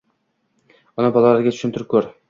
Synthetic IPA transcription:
ɒnæbɒlˠalaɾɡʲat̪ʰʊ̥ʃɪmt̪ʰɪɾɪp̚kʲʰɵɾ

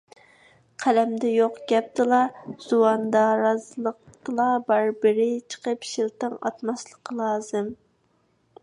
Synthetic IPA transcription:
qʰælɛmd̪ɛjoqɡʲɛp̚t̪ɨlˠɑz̥uwɑnd̪ɑɾɑzɨlˠəq̚t̪ɨlˠɑbɑɾbɪɾɪt͡ʃʰə̥qəpʃilt̪ɨŋɑ̰t̪mɑslˠəqʰəlˠɑːzɨm

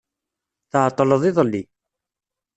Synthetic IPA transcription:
θəʕt̪ˤːləðˤiðˤəlːi

